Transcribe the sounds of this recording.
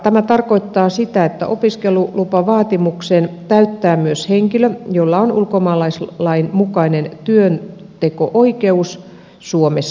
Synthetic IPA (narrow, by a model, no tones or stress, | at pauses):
t̪æmæt̪ɑrkoit̪ːɑːsit̪æet̪ːæ̰ʔopiskelulupɑʋɑːt̪imuksent̪æyt̪ːæːmyøsheŋkiløjolːɑonulkomɑːlɑislɑinmukɑinent̪yøn | t̪ekoʔoike̞us | suomesː